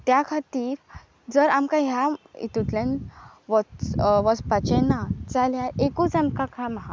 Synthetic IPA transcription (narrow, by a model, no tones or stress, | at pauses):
t̪jakʰat̪iːɾ | d͡zəɾamkãɦjaḭt̪ut̪lãn | ʋɔʋɔspat͡ɕɛnat͡saljaʔekut͡samkãkʰãməɦa